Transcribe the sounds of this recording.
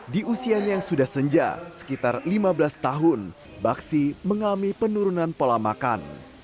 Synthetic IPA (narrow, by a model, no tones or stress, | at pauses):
diʔusiaɲajaŋsudahsəɲd͡ʒa̰sə̥kit̪arlimabəlast̪aɦʊn | baksiməŋamipənuɾunanpolamaka̰n